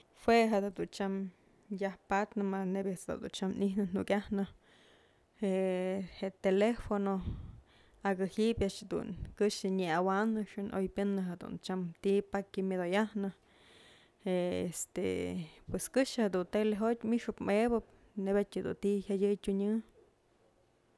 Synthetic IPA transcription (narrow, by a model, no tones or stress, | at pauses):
hweɦed̪ad̪unt͡ʃam | jahpat̪nɨmanebʲet͡sd̪a̰d̪ṵnt͡ʃamninɨnukʲahnɨ | eheʔt̪elefono | aɡɨhipjaʔʂhd̪ṵnkɨʂɨɲeawaʔnɨʂɨnʔo̰jpʲjɨnːɨɦed̪ṵnt͡ʃamt̪ipakimʲad̪ojahnɨ | eest̪ḛpweskɨʂhed̪unt̪eleɦot̪ʲmiʔʂɨpmebɨp̚ | nebʲatʲad̪ṵnt̪ihjajʲɨjtʲuɲɨ